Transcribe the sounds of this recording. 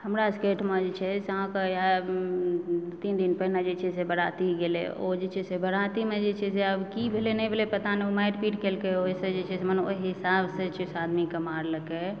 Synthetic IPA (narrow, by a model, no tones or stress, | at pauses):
həmɾaskeʈməd͡ʒet͡ʃʰɛseɦãkeja | t̪ind̪inpəɦinad͡ʒet͡ʃʰɛsebəɽat̪iɡelḛo̰d͡ʒet͡ʃʰɛsebəɽat̪imed͡ʒet͡ʃʰɛseəbkibʱelenɛbʱelepət̪aneomajʈpiʈkelkeoised͡ʒet͡ʃʰɛsemənoiɦisabset͡ʃʰɛsad̪mikemaɾləke